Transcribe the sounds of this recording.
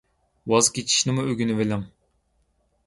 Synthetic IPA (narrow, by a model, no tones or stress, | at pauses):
wɑzkʲet͡ʃʰi̥ʃnɪmuøɡʲynɪvelɛm